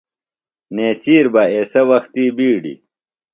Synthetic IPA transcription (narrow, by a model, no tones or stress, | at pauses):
neːt͡ɕiːɾbɐeːsɐwɐxt̪iːbiːɖḭ